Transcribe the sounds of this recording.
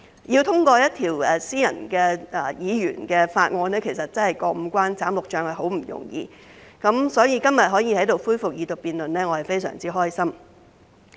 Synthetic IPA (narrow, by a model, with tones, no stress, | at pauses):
ji˧wt̪ʰʊ˥ŋkɔː˧jɐ˥t̚t̪ʰiː˨˩wɛ˨˩siː˥jɐ̰˨˩nkɛː˧ɛ˨˩jiː˨˧jyː˨˩nkɛː˧faː˧t̚ŋɔː˧nɛː˥kʰe˨˩jsɐ˨t̚t͡sɐ˥nhɐ˨˩jkɔː˧m̩˨˧˥kʷwaː˥nt͡saː˨˥mlʊ˨k̚t͡ʃœː˧ŋhɐ˨jɦo˨˥wm̩˨˩jʊ̰˨˩ŋjḭː˧ | kɐ˨˥msɔː˨˥jiː˨˧kɐ˥mjɐ˨t̚ɦɔː˨˥jiː˧hɐ˨˥jt̪o˨wfuː˥jfʊ˨k̚jiː˨˧t̪ʊ˨˩k̚piː˨˧nlɵ˨nlɛː˥ŋɔː˨˧hɐ˨˩jfe˥jsœ̰ː˨˩ŋt͡siː˥ɦɔː˥jsɐ˥m